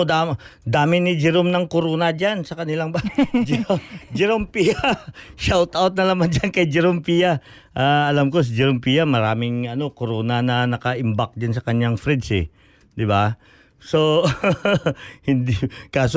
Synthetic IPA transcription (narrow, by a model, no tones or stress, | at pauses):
d̪ad̪aːmɪnɪd͡ʒɛɾomnɐŋkoɾoːnɐd͡ʒansɐkɐnɪlaŋbad͡ʒd͡ʒɛɾompijaʃawt̪awt̪̚nɐlaːmand͡ʒankɐjd͡ʒɛɾompija | ʔaːɐlamko̞s̬ɪd͡ʒɛɾompijamɐɾaːmɪŋɐno̞koɾoːnanɐnɐkɐʔɪmbak̚d͡ʒansɐkɐɲjaŋfɾɛd̪sɛ̰ | d̪ɪba | so | hɪnd̪ɪkaːs